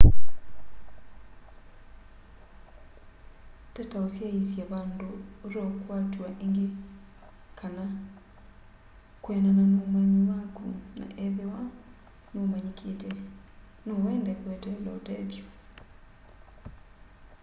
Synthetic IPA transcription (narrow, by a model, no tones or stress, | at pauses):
tɛtaosjaisjaβandoɾɔkwatwaʔeŋɡe | kʰana | kwɛnananomaɲiwakuna̰ʔɛðewa | nomaɲikʰetɛ | nowɛndɛkwɛtɛlɔtɛðjo